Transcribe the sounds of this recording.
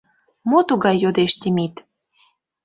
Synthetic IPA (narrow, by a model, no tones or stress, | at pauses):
mot̪uɣɑjːod̪eʃt̪ʲemit̪